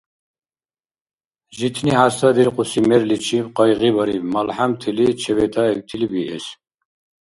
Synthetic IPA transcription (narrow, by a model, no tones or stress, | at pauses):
ʒit̪ʰnihasad̪iɾqʼusimɛɾlit͡ʃʰipqɑjʁibɐɾivmalħamt̪ʰilit͡ʃʰɛvɛt̪ʰaɛk̚t̪ʰilibiʔɛs